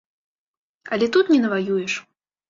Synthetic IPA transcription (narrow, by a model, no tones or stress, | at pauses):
ɐ̰lʲɛt̪ut̪nʲɛnɐvajujɛʂ